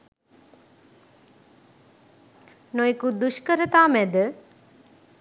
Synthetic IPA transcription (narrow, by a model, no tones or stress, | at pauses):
noikud̪uʃkəɾət̪aːmɛd̪ə